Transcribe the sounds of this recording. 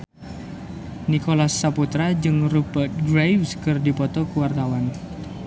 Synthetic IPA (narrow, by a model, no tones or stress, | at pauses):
nikolasːaput̪ɾad͡ʒɨŋrubərt̪̚ɡɾejwskɨrdipɔt̪ɔkuwart̪awan